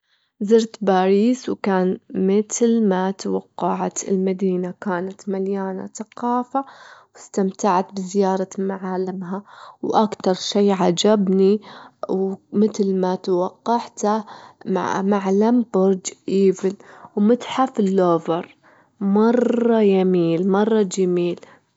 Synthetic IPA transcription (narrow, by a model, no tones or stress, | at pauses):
zɪɾt̪baːɾiːswkaːnmɪt̪lmat̪awɑqːɑʕat̪ɪ̰lmad̪iːnakaːnat̪maljaːna̰θaqɑːfawɪst̪amt̪aʕat̪bɪzɪjɑːɾˤɑmaʕaːlɪmɦawʔakt̪ɑɾˤʃeːʕad͡ʒabni | mɪt̪lmat̪wɑqːɑʕt̪a̰ | maʕlambʊɾˤd͡ʒʔiːvɪlwmɪt̪ħafɪlːoːvɑɾˤ | mɑrˤːɑjamiːlmɑrˤːɑd͡ʒamiːl